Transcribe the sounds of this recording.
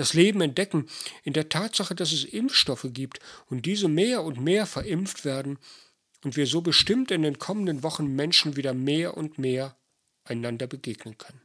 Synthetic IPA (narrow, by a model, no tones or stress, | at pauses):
d̥asleːbm̩ɛnt̚d̥ɛkŋ̩ʔɪndeːɐtʰaːtz̥aχədas̬ɛsʔɪmfʃtɔfəɡiːptʊnt̚d̥iːzəmeːɐʊntmeːɐfɛɐʔɪmftv̥eːɐdn̩ | ʊntv̥iːɐzoːbəʃtɪmtɪndeːnkʰɔməndənvɔχn̩mɛnʃn̩viːdɐmeːɐʔʊntmeːɐ | ʔaɪnandɐbəɡeːɡnənkʰœnən